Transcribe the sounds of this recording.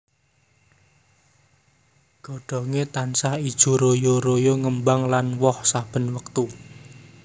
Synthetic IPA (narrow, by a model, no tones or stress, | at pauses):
ɡ̥ɔ̤ɖ̥ɔ̤ŋet̪ansahid̥ʒ̥ṳɾojoɾojoŋəmbaŋlanwɔhsab̥ə̤nwəkt̪u